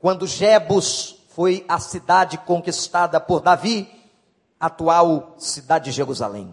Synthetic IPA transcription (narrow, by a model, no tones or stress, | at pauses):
kwɐ̃nd̪ʊʒɛbʊs | fojɐsid̪ad͡ʒɪkõŋkist̪ad̪ɐpoɾd̪avi | at̪uawsid̪ad͡ʒɪd͡ʒɪʒeɾuza̰lḛ̃j̃